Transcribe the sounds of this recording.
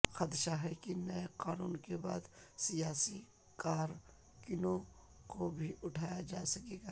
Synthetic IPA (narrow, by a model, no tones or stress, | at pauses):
xɐd̪ʃaɦɛkinɐeqaːnuːnkeba̰ːd̪sijaːsi | kaːɾ | kɪnõ | kobʱiʔʊʈʰaːjad͡ʒaːsɐkeːɡaː